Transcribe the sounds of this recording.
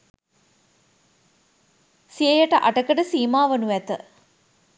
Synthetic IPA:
sijəjəʈəʔaʈəkəʈəsiːmaːʋənuʋæt̪ə̰

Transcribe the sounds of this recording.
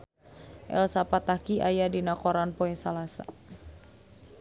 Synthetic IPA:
ʔɛ̰lsapat̪akiʔajadinakɔɾanpoɛsalasa̰

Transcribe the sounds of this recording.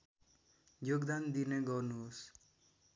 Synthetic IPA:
joɡd̪and̪ineɡʌrnuɦos

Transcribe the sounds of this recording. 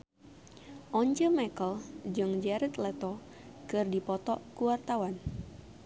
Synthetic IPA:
ʔɔɲt͡ʃəmakəld͡ʒɨŋd͡ʒaɾət̪lɛt̪ɔ | kɨrdipɔt̪ɔʔkuwart̪awan

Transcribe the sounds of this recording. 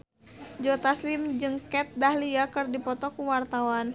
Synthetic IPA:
d͡ʒɔt̪aslimd͡ʒɨŋkɛt̪̚dahliakɨrdipɔt̪ɔkuwart̪awan

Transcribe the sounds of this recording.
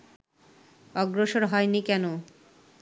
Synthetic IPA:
ɔɡɾoʃoɾɦɔenikɛno

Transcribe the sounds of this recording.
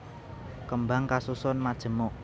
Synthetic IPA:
kəmbaŋkasusɔnmad̥ʒ̥ə̤mɔʔ

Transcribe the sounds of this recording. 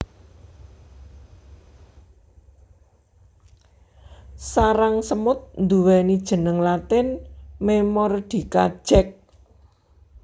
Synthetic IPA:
saɾaŋsəmʊt̪̚nd̪uwɛnid̥ʒ̥ə̤nəŋlat̪ɪnmemɔrd̪̥i̤ka̰̥ʒ̥ɛk̚

